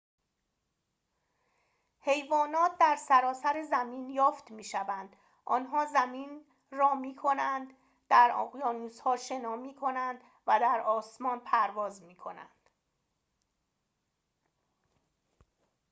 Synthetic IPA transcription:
he̞jvɒːnɒːt̪̚ʰd̪æɾsæɾɒːsæɾezæmiːnjɒːft̪miːʃævænd̪ | ʔɒːnɦɒːzæmiːn | rɒːmiːkʰo̞nænd̪ | d̪̥æɾɒ̰ːʁjɒːnuːzhɒːʃe̞nɒːmiːkʰo̞nænd̪ | væd̪æɾɒːsmɒːnpʰæɾvɒːzmiːkʰo̞næ̰nd̪̥

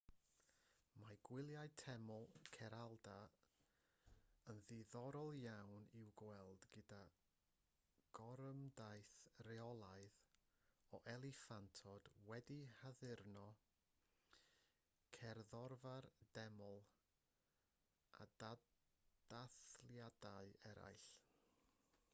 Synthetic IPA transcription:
maɡ̥wɪlˠjajtʰɛmɔlˠkʰɛɾalˠda | ənðɪðɔɾɔlˠjawnɪwɡwɛlˠdɡɪda | ɡ̥ɔɾəmdajθrɛɔlˠaɨð | ɔʔɛlˠɪfantʰɔd̥wɛdihaðɪrnɔ | kʰɛrðɔrvard̥ɛmɔlˠ | a̰dad̥aθljadaɨɛɾa̰jɬ

